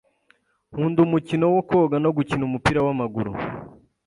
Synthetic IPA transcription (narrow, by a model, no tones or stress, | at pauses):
huːndumucino̞woko̞ːɡano̞ɡucinumupiːɾawamaɡuɾṵ